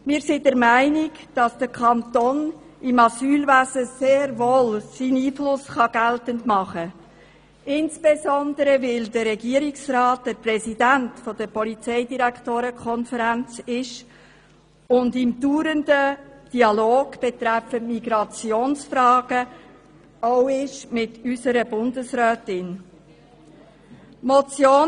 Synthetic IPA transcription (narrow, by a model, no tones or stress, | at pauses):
mɪːɾsɪdəɾmæɪnɪɡ | d̥ɑsd̥əkʰɑntɔn | ɪmɑsyːlvæzəseːɾvoːlsiːniːflʊsχɑɡ̥æltəntmɑχə | ɪnsb̥ezɔndəɾəvɪldəːɛɡiːəɾiksrɑːt̚d̥əprɛsidæntfɔd̥əpɔlit͡sɛɪdiɾækʰtoːɾəkʰɔnfəɾænt͡sɪʃ | ʊndɪmd̥uːɾəndəd̥iɑloːɡ̥b̥ɛt̪ɾæfəmiɡɾɑt͡sjoːnsfrɑːɡə | owɪʃmɪtysəɾəbʊndəsɾœːtɪn | mɔt͡sjoː